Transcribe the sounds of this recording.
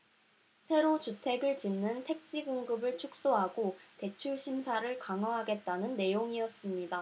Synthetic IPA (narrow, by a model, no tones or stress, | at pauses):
sʰe̞ɾot͡ɕutʰe̞ɡɯɭt͡ɕinːɯntʰe̞k̚t͡ɕ͈iɡoŋɡɯbɯɭt͡ɕʰuk̚s͈oɦaɡote̞t͡ɕʰuɭɕʰimsʰaɾɯɭkaŋʌɦaɡe̞t̚t͈anɯnːe̞joŋiʌs͈ɯmɲida